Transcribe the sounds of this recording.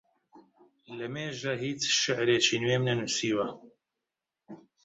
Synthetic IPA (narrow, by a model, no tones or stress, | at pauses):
lɐmeːʒɐɦiːt̪ʃɪʕɾeːt͡ʃʰiːnweːmnɐnusiːwɐ